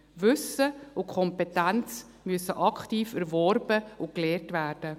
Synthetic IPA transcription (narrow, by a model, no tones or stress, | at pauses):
vʏsəʊkʰɔmpɛtænt͡s | myəsəʔɑkχtiːfɛɾvɔɾbəʊklɛːɾtʋæːɾd̥ə